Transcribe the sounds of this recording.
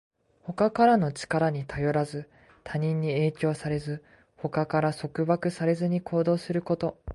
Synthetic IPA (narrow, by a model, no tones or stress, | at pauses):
ho̞kakaɾano̞t͡ɕi̥kaɾaɲ̟it̪ʰajo̞ɾazɨ | t̪ʰaɲ̟ĩɲ̟ːie̞ːkʲo̞ːsaɾe̞zɨ | ho̞kakaɾaso̞kɯ̟bakɯ̟saɾe̞zɨɲ̟ikʰo̞ːd̪o̞ːsɨɾɯ̟ko̞t̪o̞